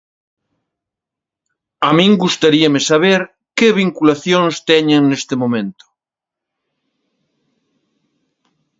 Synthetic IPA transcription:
amĩŋɡust̪aɾiamesaβ̞eɾ | keβ̞iŋkulaθjoŋst̪ɛɲẽŋnest̪emomẽnt̪ʊ̥

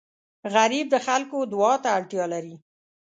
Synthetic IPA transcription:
ɣaɾib̚d̪əxalkod̪wɑt̪aːɽʈjɑlaɾi

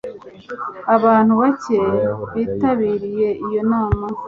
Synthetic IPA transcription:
aβaːn̥huβace̞βiːtaβiːɾije̞ʔijo̞naːma

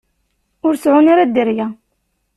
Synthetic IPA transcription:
ʊɾsʕʊnaɾad̪əɾjæ

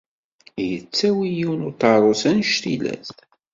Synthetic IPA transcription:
jət͡sːæwijuwnut̪ɑɾˤosænʃt̪ilæ̰s

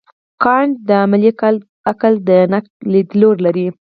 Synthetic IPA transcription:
kɑɳd̪əamali | akəld̪ənak̚lid̪loɾlaɾi

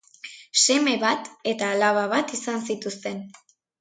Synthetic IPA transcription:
se̞me̞βat̪e̞t̪aːlaβaβ̞at̪isansit̪ust̪e̞n

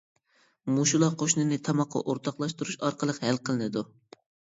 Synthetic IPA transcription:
muʃulˠɑqʰoʃnɨnɪt̪ʰɑmɑqʰːɑ̰ʔoɾt̪ʰɑqlˠɑʃt̪uɾuʃɑɾqʰəlˠəqhælqʰəlˠɨnɨd̪u

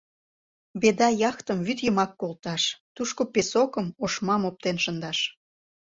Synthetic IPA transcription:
bed̪ɑjɑxt̪əmvyt̪jəmɑkːolt̪ɑʃt̪uʃkopesokəmoʃmɑmop̚t̪enʃənd̪ɑʃ

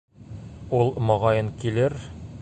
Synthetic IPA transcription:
ulˠmɒ̆ʁɑjɤnkilɘɾ

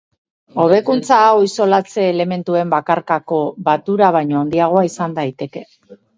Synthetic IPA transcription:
o̞β̞e̞kunt͡saːwiso̞lat͡se̞ːle̞me̞nt̪ue̞mbakaɾkako̞βat̪uɾaβ̞ajɲoond̪iaɣ̞o̞aisand̪ajt̪e̞ke̞

